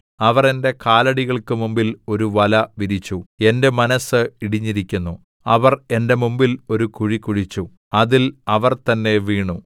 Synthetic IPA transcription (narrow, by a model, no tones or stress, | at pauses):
ɐʋɐre̞nde̞kaːlɐɽiɣɐɭkɨmumbilo̞ɾuʋɐlɐʋiɾit͡ɕːue̞nde̞mɐnɐsɨiɽiɲːiɾikʲːunːu | ɐʋɐre̞nde̞mumbilo̞ɾukuɻikːuɻit͡ɕːu | ɐðilɐʋɐrt̪ɐnːe̞ʋiːɳu